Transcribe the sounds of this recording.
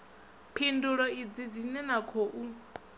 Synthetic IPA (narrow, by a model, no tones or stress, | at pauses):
pʰinduɺɔid͡zid͡zinɛnakʰoʔu